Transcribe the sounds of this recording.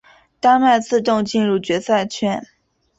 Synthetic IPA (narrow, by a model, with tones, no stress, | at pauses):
t̪a˥nma˥˧ɪt͡sʰɹ̩˥˧ʈ͡ʂ̪ʊ˥˧ŋt͡ɕi˥˧nɻu˥˩t͡ɕɥɛ˧˥sa˥˩ɪt͡ɕʰɥɛ˥n